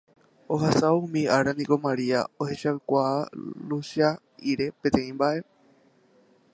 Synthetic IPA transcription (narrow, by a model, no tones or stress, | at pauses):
o̞ɦasaumĩaɾanĩko̞maɾia̰o̞he̞ʃaɨkʷaaluʃa | iɾe̞pẽ̞t̪ẽ̞ĩmbaʔe̞